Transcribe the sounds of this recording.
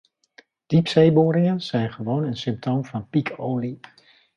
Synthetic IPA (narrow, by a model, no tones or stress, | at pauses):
d̥ipsejboːɾɪŋənz̥ɛjnχəʋownənsʏmp̚tʰoːmvɑnpikʰoːli